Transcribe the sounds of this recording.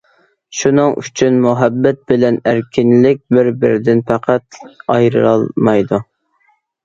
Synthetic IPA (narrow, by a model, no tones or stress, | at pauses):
ʃunɨŋy̰t͡ʃʰynmuɦɛbːɛt̪̚bɪlɛnæɾkʲʰɪnlɪk̚ʲbɪɾbɪ̰ɾɪd̪ɪnfæqʰæt̪ɑjɾɨ̰ɑ̰lˠmɑjd̪u